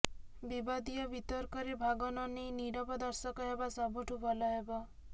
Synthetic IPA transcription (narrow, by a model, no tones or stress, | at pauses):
bibad̪ijɔbit̪ɔɾkɔɾebʱaɡɔnɔnejniɽɔbɔd̪ɔɾsɔkɔɦebasɔbʱuʈʰubɔlɔɦeba